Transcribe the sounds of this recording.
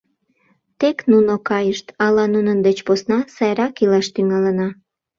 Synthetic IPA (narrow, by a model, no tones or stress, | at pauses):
t̪eknunokɑjəʃt̪ɑlɑnunənd̪et͡ɕposnɑsɑjɾɑkilɑʃt̪yŋɑlənɑ